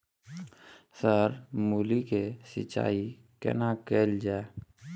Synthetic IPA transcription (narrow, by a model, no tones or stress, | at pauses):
səɾmuːlikesɪ̰t͡ʃːa̰ːi | kɛ̰nakeːld͡ʒaːe